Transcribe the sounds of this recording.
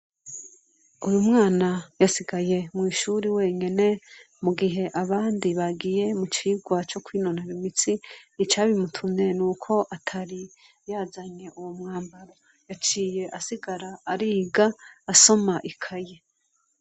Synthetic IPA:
ujumŋaːnajasiɡaje̞mŋiːʃuɾiwe̞ːɲene̞ | muɡiɦe̞ʔaβaːndiβaɡije̞mut͡ʃiːɡwat͡ʃo̞kwiːno̞naβimit͡sinit͡ʃaːβimutʰuɲe̞nuːkʰo̞ʔatʰaɾi | jaːzaɲe̞ʔuwomŋaːmbaɾo | jat͡ʃiːje̞ʔasiɡaɾaːɾiːɡaːso̞maʔikʰaje̞

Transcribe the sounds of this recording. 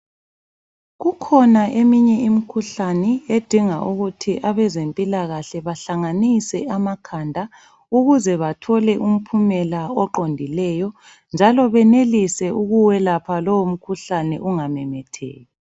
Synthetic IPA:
ɣukʰɔnaʔemiɲɛimikʰuɬanɛed̥ʱiŋa̰ʔuɣutʰiʔaβɛzempʼilaɣaɬɛβaɬaŋanisɛamakʰandʱa | uɣuzɛβatʰɔlɛʔum̩pʰumɛlaɔǃondʱilɛjɔ | nd͡ʒʱalɔβɛnelisɛuɣuwɛlapʰalowom̩kʰuɬanɛ̰ʔuŋamɛmɛtʰɛ̰ːjɛ

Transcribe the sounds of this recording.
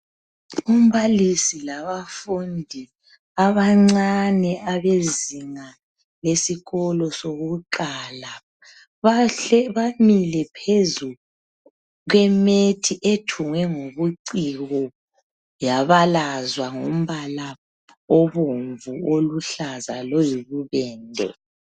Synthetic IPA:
um̩βalisilaβafundʱi | aβaŋ͡ǀanɛʔaβeziŋa | lesiɣɔlɔsoɣuǃala | βaɛβamilɛpʰezu | ɣwɛmetʰiʔetʰuŋwɛŋoβuǀiɣɔ | jaβalazwaŋom̩βala | oβuɱvuoluɬazalɔjiβuβɛːndʱɛ̰

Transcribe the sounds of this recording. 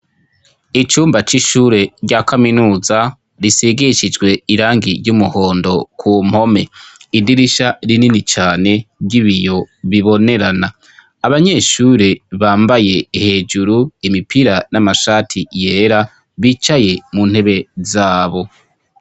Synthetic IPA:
it͡ʃuːmbat͡ʃiʃuːɾe̞ɾɟakaminuːza | ɾiseɡeʃid͡ʒɡwe̞iɾaːŋɡiɾɟumuho̞ːndo̞kʰum̥ho̞me̞idiɾiʃaɾininit͡ʃaːne̞bɟiβijo̞βiβo̞ne̞ɾanaː | βaɲe̞ːʃuːɾeβaːmbaje̞ihe̞ːd͡ʒuɾuimipiɾanamaʃaːtʰijeːɾa | βiːt͡ʃaje̞munhe̞βe̞zaːβo̞

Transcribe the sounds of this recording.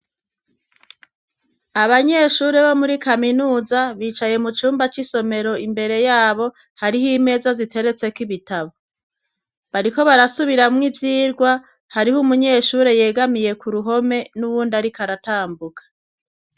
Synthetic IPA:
aβaɲe̞ʃuːɾeβo̞muɾikaminuːzaβiːt͡ʃaje̞mut͡ʃuːmbat͡ʃiso̞me̞ɾo̞imbe̞ɾe̞jaːβo̞ | haɾihime̞ːzazitʰe̞ɾe̞t͡se̞kiβitaβo | βaɾiko̞βaɾasuβiɾamŋivjiːɾɡwa | haɾihumuɲe̞ːʃuːɾe̞je̞ːɡamije̞kuɾuɦo̞me̞nuβuːndaɾikaɾataːmbukḁ

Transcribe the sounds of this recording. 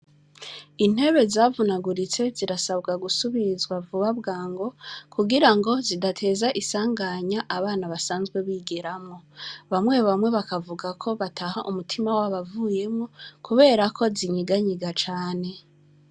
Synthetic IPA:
in̥he̞βe̞zaːvunaɡuɾit͡se̞ziɾasaβɡaɡusuβizɡwavuβaβɡaːŋɡo̞kʰuɡiɾaŋɡo̞zidatʰe̞ːzaʔisaːŋɡaɲaʔaβaːnaβasaːnzɡwe̞βiːɡeɾamŋo̞βamŋwe̞βamwe̞βakavuɡakʰo̞βatʰaɦaʔumutʰimawaβavuːje̞mŋo̞kʰuβe̞ːɾakʰo̞ziɲiɡaɲiɡat͡ʃaːne̞

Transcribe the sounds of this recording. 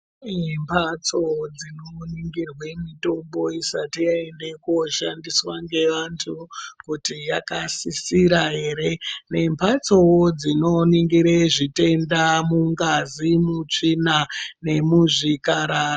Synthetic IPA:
impʰat͡sod͡zinoniŋɡirwe̞mito̞mbo̞isatijaende̞koʃandiswaŋɡe̞ʋantʰukutijakasisiɾaɦe̞ːɾe̞ne̞mpʰat͡so̞wd͡zino̞niŋɡiɾeʐite̞ndamuŋɡazimut͡ʂinane̞muʐikaɾara

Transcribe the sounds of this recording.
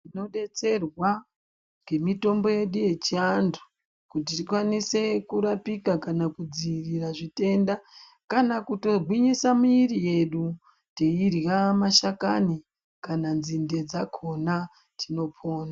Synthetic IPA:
tino̞ɗe̞t͡se̞rwa | ŋɡe̞mito̞mbo̞je̞ɗuje̞t͡ʃiandu̥ | kut̬itikwanise̞kuɾapikakanakud͡ziriraʐite̞nda | kanakuto̞ɡwiɲisamuiɾije̞ɗu | te̞irjamaʃakani | kananzinde̞d͡zakʰo̞na | tʰino̞pʰo̞ːna

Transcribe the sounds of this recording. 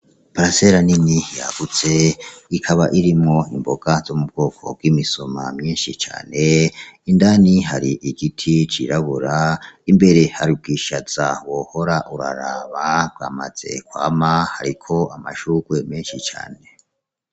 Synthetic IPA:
paɾaseɾaninijaɡ̥ut͡se̞ikʰaβaʔiɾimŋo̞imbo̞ɡ̥azo̞mub̚ɡ̥o̞ːkʰo̞̰b̚ɡwimiso̞mamɲiːnʃit͡ʃa̰ːne̞indaːniɦaɾiʔiɡitʰit͡ʃiɾaβuɾaimbe̞ɾe̞haɾib̚ɡiʃaz̥awo̞ho̞ɾaʔuɾa̰ɾaβab̚ɡaːmaz̥e̞̰kwa̰ːmahaɾikʰo̞amaʃuɡ̥we̞meːnʃit͡ʃa̰ːne̞

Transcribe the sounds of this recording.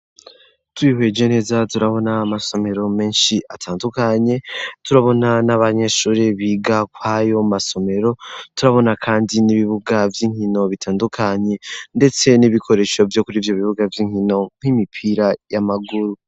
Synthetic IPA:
tuihwe̞d͡ʒene̞zatuɾaβo̞naːmaso̞me̞ɾo̞me̞ːnʃiʔatʰaːndukaɲe̞tuɾaβo̞nanaβaɲe̞ʃuːɾeβiːɡakwajo̞maso̞me̞ɾo̞tuɾaβo̞nakʰaːndiniβiβuɡavjiːŋhino̞βitʰaːndukʰaɲe̞nde̞t͡se̞niβikʰo̞ɾe̞ʃo̞vjo̞kuɾiːvjo̞βiβuɡavjiːŋhino̞ŋ̥himipʰiɾajamaɡuɾu

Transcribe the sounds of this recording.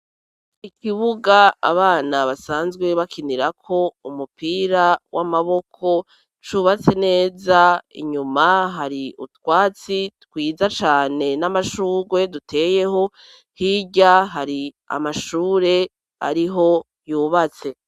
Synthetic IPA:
ikʰiβuɡa̰ːβaːnaβasaːnzɡwe̞βakʰiniɾakʰo̞umupʰiɾawʔamaβo̞kʰo̞ | t͡ʃuːβat͡se̞ne̞ːzaḭɲumaɦaɾiṵtwaːt͡sitkwiːzat͡ʃaːne̞namaʃuːɾwe̞dutʰe̞ːje̞ho̞ | hiɟaɦaɾi | a̰maʃuːɾe̞ | a̰ɾiɦo̞ | juːβat͡se̞

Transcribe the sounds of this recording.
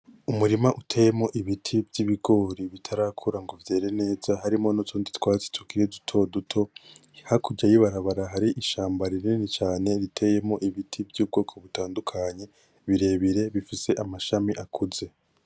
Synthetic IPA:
umuɾimaʔutʰe̞ːje̞mo̞ʔiβitʰivjiβiɡo̞ːɾiβitʰaɾaːkʰuɾaŋɡo̞vje̞ːɾe̞ne̞ːz̥aɦaɾimo̞nut͡ʃuːnditwaːt͡se̥tʰukiɾedutʰo̞dutʰo̞ | hakuɟajiβaɾaβaɾaɦaɾiʔiʃaːmbaɾininit͡ʃaːne̞ɾitʰe̞je̞mo̞ʔiβitʰibjuːb̚ɡo̞ːkʰo̞βutaːndukʰaɲe̞ | βiɾe̞βiɾe̞βifise̞ʔamaʃamiʔakuze̞

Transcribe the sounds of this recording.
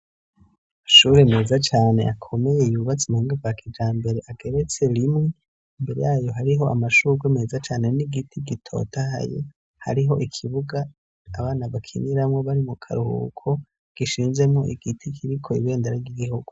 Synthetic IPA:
maʃuɾe̞me̞ːzat͡ʃaːne̞̰ʔakʰo̞me̞je̞juβat͡semuhiːŋɡavwakʰid͡ʒaːmbe̞ɾe̞ʔaɡe̞ɾe̞t͡se̞ɾimŋe | imbe̞ɾejaːjo̞ɦaɾiɦo̞ʔamaʃuːkweme̞ːzat͡ʃaːne̞niɡitʰiɡitʰo̞̰taha̰jḛ | ha̰ɾiɦo̞̰ʔikʰiβuɡaː | βaːnaβakʰiniɾamŋo̞βaɾimukʰa̰ɾuhṵkʰo̞ | ɡ̥iʃiːnze̞mŋo̞ʔiɡ̥itʰikʰiɾikʰoḭβe̞ːndeɾaɡiɡihuɡu

